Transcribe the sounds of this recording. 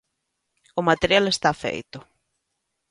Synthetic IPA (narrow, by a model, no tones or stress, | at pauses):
ʊmat̪eɾjalest̪afḛjt̪ʊ